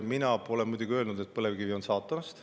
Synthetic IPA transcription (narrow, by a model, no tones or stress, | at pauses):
minɑo̞lɛnmujd̪uɡ̥iø̞ːlnud̪̥e̞t̪̚pɤlevkivio̞nsɑːt̪ːˑɑmɑst̪